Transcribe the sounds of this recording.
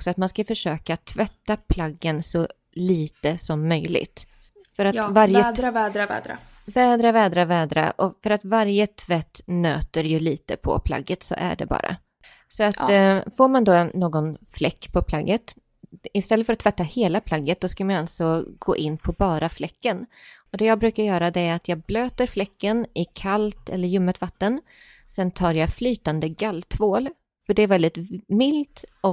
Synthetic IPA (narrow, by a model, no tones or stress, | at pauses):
ksɔat̪manskafœʂøːkat̪ʰvɛt̪ːapʰlaɡːənsɔ | liːt̪əsɔmːœjlɪ̰ɡt̪ | fœɾat̪vaɾjəvɛːd̪ɾavɛ̰d̪a̰ | vɛːd̪ɾavɛːd̪ɾavɛːd̪ɾa̰ʔɔfœɾat̪vaɾjət̪ʰvɛt̪ːnø̰ːt̪əɾjɵliːt̪əpʰɔ̰pʰla̰ɡːət̪sɔ̰ʔæ̰ɖɛ̰bɑ̰ːɾa̰ | sɔat̪foːɾmand̪ɔnːoːɡɔnflɛkːpʰɔpʰlaɡːət̪ | ɪst̪ɛlːət̪fœɾat̪ːvɛt̪ːaheːlapʰlaɡːət̪̚d̪ɔskalmanjaalt̪sɔɡo̰ːʔɪnːpʰɔbɑːɾaflɛkːənɔd̪ɛjɑːɡbɾʉ̟ːkaɾjœːɾad̪ɛæɾat̪jɑːɡ̚bløːt̪əɾflɛkːənɪkʰalt̪ɛ̰lːəɾjɵmːət̪vat̪ːən | sɛnt̪ʰɑːɾjaflyːt̪and̪əɡalt̪ʰvoːl | fœɖɛæɾvɛld̪ɪt̪mɪlt̪ɔ